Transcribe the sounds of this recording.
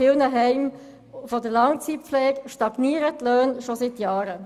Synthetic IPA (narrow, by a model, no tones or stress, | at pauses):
ɪlnəɦɛɪm | fɔdəlɑŋt͡siflɛːɡʃtɑɡ̥niːəɾətløːnʃosɪtjɑːɾə